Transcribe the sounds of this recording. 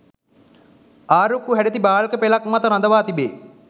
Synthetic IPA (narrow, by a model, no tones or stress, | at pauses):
aːɾokːuɦæɖet̪ibaːlkəpelakmat̪əɾand̪əʋaːt̪ibeː